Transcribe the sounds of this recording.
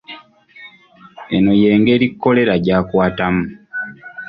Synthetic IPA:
e̞no̞je̞ːŋɡe̞ːɾikːo̞le̞ɾaɟaːkwaːtamu

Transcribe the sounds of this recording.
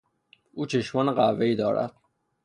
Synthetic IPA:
uːt͡ʃʰeʃmɒːneɢævːeiːd̪ɒːɾæ̰d̪̥̚

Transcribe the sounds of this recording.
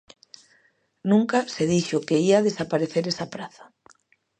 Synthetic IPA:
nũŋkaseðiʃʊkeiaðesapaɾeθeɾesapɾaθḁ

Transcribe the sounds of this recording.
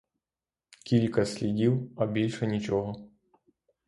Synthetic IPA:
kʲilʲkɐsʲlʲidʲiwɐbʲilʲʂɛnʲit͡ʃɔɦɔ

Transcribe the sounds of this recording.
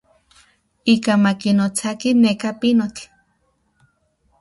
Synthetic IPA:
ikamakinot͡sakinekapinot͡ɬ

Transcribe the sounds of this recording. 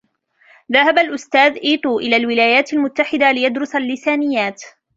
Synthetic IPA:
ðahabalʔʊst̪aːðʔiːt̪ˤuːʔɪlaːlwɪlaːjaːt̪almʊt̪ːaħɪd̪alɪjad̪ɾʊsalːɪsaːnɪjːaːt̪

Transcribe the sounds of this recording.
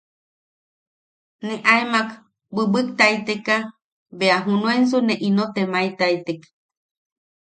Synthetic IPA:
neʔaemak | bɨbɨk̚t̪ait̪eka | beaɦunũens̬unẽʔinot̪emajt̪ajt̪ek

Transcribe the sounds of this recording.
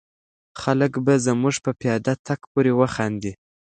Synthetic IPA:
xaləkbazəmuʐpəpjɑd̪at̪ʰakpoɾewəxɑnd̪i

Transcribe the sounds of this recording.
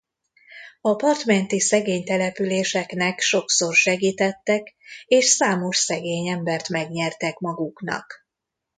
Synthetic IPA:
ɒpɒrt̪mɛnt̪isɛɡeːɲt̪ɛlɛpyleːʃɛknɛkʃo̞kso̞rʃɛɡiːt̪ɛt̪ːɛkeːʃsaːmo̞ʃsɛɡeːɲɛmbɛrt̪mɛɡɲɛrt̪ɛkmɒɡuknɒ̰k

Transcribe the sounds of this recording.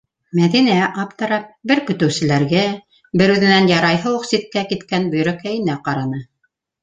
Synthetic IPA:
mæðinæʔɑpt̪ɤ̆ɾɑp̚bɘɾkɵ̆t̪ɵ̆wsɘ̆læɾɡæ | bɘɾʉðɘ̆nænjɑɾɑjɦɤwɤ̆qsit̪̚kækit̪kænbɵ̆j̆ɾækæjɘ̆næqɑɾɑnɤ

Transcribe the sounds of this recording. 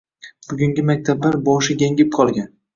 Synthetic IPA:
b̥ʊɡʲʊŋɡʲɪmak̚ʲt̪ʰablaɾbɒʃɪɡʲaŋʲɪp̚qʰɒlˠɡʲan

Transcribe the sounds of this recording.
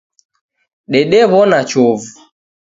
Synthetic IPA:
ɗɛɗɛβɔnat͡ʃɔvu

